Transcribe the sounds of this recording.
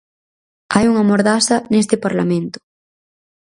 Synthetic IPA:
ajuŋamoɾðasɐnest̪epaɾla̰mẽnt̪ʊ̥

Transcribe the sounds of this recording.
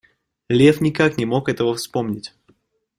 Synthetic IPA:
lʲefnʲɪkaknʲɪmo̞kɛt̪əvəfspo̞mnʲɪtʲ

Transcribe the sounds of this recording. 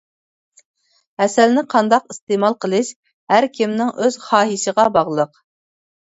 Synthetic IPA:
hɛsɛlnɪqʰɑnd̪ɑqist̪eːmɑlˠqəlˠɨʃ | hæɾkʲʰimnɪŋʔøz̥χɑːɦisəʁɑbɑʁlˠəq

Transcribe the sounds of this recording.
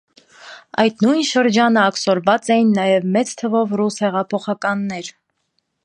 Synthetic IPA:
ɑjt̪nujnʃəɾd͡ʒɑnəɑksɔɾvɑt͡sɛjinːɑjɛvmɛt͡st̪ʰəvɔvrushɛʁɑpʰɔχɑkɑnːɛɾ

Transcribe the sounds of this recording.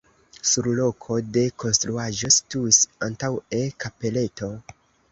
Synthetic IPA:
suɾlo̞kʰo̞de̞ko̞nstɾuaʒo̞situisantawe̞kape̞le̞to̞

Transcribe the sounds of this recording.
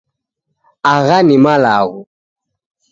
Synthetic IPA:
aɣanimalaɣu

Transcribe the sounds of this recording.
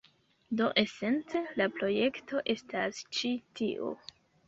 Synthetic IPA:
do̞ʔe̞se̞nt͡se̞lapɾo̞je̞kto̞ʔe̞stast͡ʃitḭʔo̰

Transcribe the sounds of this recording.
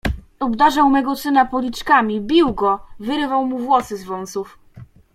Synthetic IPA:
ɔbd̪aʐawmɛɡɔsɘnapɔlʲit͡ʂkamʲibʲiwɡɔvɘɾɘvawmuvwɔsɘzvɔnt̪suf

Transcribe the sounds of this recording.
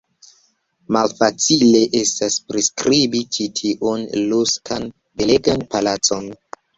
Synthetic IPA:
malfat͡sile̞ʔe̞staspɾiskɾibit͡ʃitʰiʔunluskʰan | beleɡanpalat͡so̞n

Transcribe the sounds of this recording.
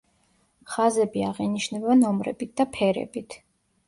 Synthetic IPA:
χazɛbiaʁiniʃnɛbɛnɔmɾɛ̰bit̪̚d̪apʰɛɾɛ̰bit̪ʰ

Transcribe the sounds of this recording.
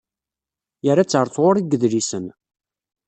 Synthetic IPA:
jəɾat͡sːəɾˤθʁʊɾiɡəðlisən

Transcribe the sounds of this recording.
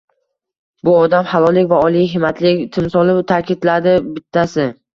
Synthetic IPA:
bʊɒd̪amhalˠɒlɪkʲvaɒlˠijɦɪmat̪ʰlɪkʲt̪ʰɪmsɒlˠɪt̪ʰakʰʲɪd̪lad̪ɪbɪt̪ʰːasɪ

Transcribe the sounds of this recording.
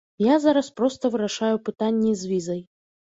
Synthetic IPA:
jazaɾɐspɾɔst̪ɐvɨɾaʂajupɨt̪anʲːizʲvʲizɐj

